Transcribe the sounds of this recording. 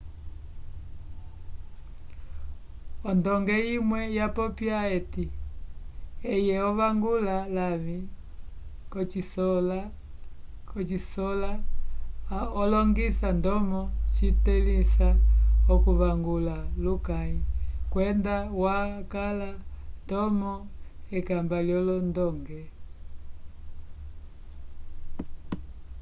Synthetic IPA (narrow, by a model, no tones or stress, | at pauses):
ɔndɔŋɡɛimwɛjapɔpjaɛti | ɛjɛɔvaŋɡulalavi | kɔt͡ʃisɔla | kɔt͡ʃisɔla | ɔlɔŋɡisandɔmɔt͡ʃitɛlisaɔkuvaŋɡulalukaɲikwɛndawakalandɔmɔɛkambaljɔlɔndɔŋɡɛ